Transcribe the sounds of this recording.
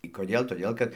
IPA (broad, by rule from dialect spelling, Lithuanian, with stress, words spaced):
ɪ koːˈdʲeːlˠ toːˈdʲeːlˠ kɐt